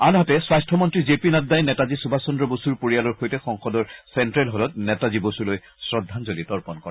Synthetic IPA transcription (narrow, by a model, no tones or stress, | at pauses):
anɦɔtɛswastʰɔmɔntɹizepinaddajnɛtazisubʱasɔndɹɔbosuɹpoɹijalɔɹxojtɛxɔŋxɔdɔɹsɛntɹɛlɦolɔt̚nɛtazibosuloj | sɹɔdʱːanzolitɔɹpɔnkɔɹa